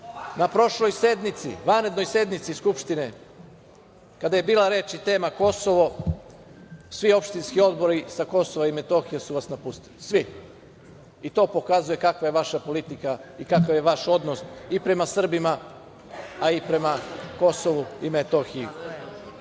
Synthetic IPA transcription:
napɾo̞ʃlo̞jse̞d̪nit̪sḭʋanɾe̞d̪no̞jse̞d̪nit̪siskupʃt̪ine̞ | kad̪aje̞biːlaɾeːt͡ʃit̪e̞ːmako̞so̞ʋo̞ | sʋio̞pʃt̪inskio̞d̪bo̞ɾisako̞soʋaime̞t̪o̞xijesuʋasnapust̪ilisʋi | it̪o̞ːpo̞kazuje̞kakʋaje̞ʋaʃapo̞lit̪ikaikakaʋje̞ʋaʃo̞d̪nosipɾe̞masr̩bima | aipɾe̞mako̞soʋuimet̪o̞xiju

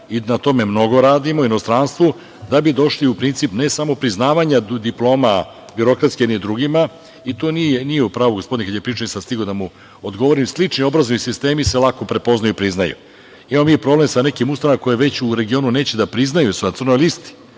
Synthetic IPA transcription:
inat̪o̞me̞mno̞ɡo̞ɾaːd̪imoinost̪ɾanst̪ʋu | d̪abid̪o̞ʃliupɾint̪sipne̞samo̞pɾiznaːʋaɲad̪iplˠo̞ːma | biɾo̞kɾat̪skenid̪ɾuɡima | it̪oːnijenijeupɾaːʋuɡospo̞d̪inekad̪jepɾiːʈ͡ʂanisast̪iɡod̪amu | od̪ɡo̞ʋoɾimslˠit͡ʂnio̞bɾazoisist̪e̞ːmiselˠako̞pɾe̞po̞znajuipɾiznajṵ | imamomipɾo̞ble̞msane̞kimust̪aaako̞jeʋe̞t͡ɕuɾe̞ɡio̞nune̞ːt͡ɕed̪apɾiznajust̪sr̩no̞jlist̪i̥

